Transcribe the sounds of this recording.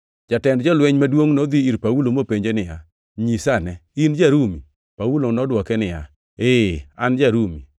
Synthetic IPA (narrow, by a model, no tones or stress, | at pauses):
d͡ʒatɛndd͡ʒɔlwɛɲmadwoŋnɔd̪iiɾpaulomopeɲd͡ʒenɪja̰ | ɲisanɛind͡ʒaɾumi | paulonɔdwɔkɛnɪja̰ | eand͡ʒaɾumḭ